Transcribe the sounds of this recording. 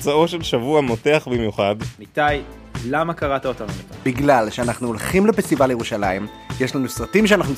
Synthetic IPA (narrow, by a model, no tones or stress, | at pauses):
t͡saoʃelʃavuamoteaχbimjuχad̪mit̪aj | lamakaʁat̪aot̪anumikabiɡlalʃeanaχnuolχimlepesibaleje̞ʁuʃalaim | jeʃlanusʁatimʃ̬eanaχnu